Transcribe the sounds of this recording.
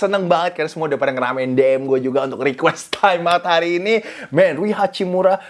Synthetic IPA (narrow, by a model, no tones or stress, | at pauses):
sənəŋbaŋət̪̚kaɾrnasəmuadapat̪ŋəɾa̰maɪndeɛmɡuad͡ʒuɡaunt̪ʊkrikwɛst̪ʰajmːaət̪haɾiːnimɛnɾuiɦat͡ʃimuɾa